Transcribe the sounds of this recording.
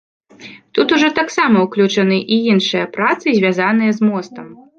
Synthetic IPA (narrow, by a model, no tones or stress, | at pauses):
t̪ut̪uʐɔt̪aksamɐwklʲut͡ʂɐnɨʔiinʂɨjɐpɾat̪sɨzʲvʲazanɨjɐzmɔst̪ɐm